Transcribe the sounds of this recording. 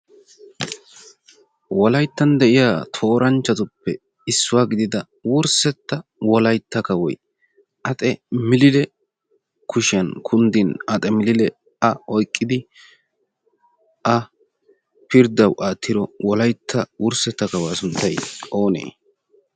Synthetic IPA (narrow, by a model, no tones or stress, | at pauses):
wɔlɐjt̪ːɐnd̪ɛʔɪjaːt̪ʰo̞ːɾɐnt͡ʃːɐt̪ʊpːɛ | ɪsːʊwaːɡɪd̪ɪd̪ɐ | wʊɾsɛt̪ːɐwɔlɐjt̪ːɐkɐwɔ̰j | ʔɐt̪ʼɛmɪlɪlɛ | kʊʃɪɐnkʰʊnd̪ɪnɐt̪ʼɛmɪlɪlɛ | ɐɔjkʼːɪd̪ɪ | ʔɐ | pɪɾd̪ɐwʔaːt̪ːɪɾɔwɔlɐjt̪ʰːɐwʊɾsɛt̪ːɐkɐwasʊnt̪ːɐjʔo̞ːnḛː